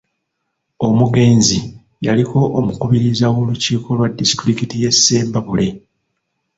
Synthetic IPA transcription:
o̞muɡe̞ːnzi | jaliko̞ʔːmukuβiɾizawoluciːko̞lwadːisi̥tɾikitije̞sːe̞ːmbaβule̞

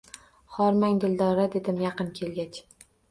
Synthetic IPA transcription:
χɒɾmaŋd̪ɪld̪ɒɾad̪e̞d̪ɪmjɑqɨnkʲʰe̞lɡʲat͡ʃ

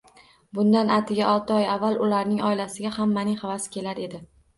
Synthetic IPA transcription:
bʊnd̪anat̪ʰɪɡʲaʔɒlˠt̪ʰɪɒjavːalˠʊlaɾnɪŋɒɪlasɪɡʲahamːanɪŋhavasɪ̥kʲʰe̞laɾe̞d̪ɪ

